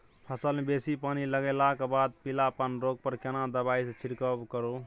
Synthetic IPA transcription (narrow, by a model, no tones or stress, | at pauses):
pʰəsəlmebesipaniləɡelakbad̪̚pilapənɾoɡ̚pəɾkenad̪əbaisẽt͡ʃʰiɾkəbkəɾo